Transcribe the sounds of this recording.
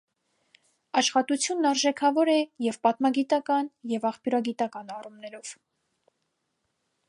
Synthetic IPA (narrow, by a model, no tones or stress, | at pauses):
ɑʃχɑt̪ut͡sʰjunːɑɾʒɛkʰɑvɔɾɛjɛvpɑt̪mɑɡit̪ɑkɑnjɛvɑχpjuɾɑɡit̪ɑkɑnɑrumnɛɾɔv̥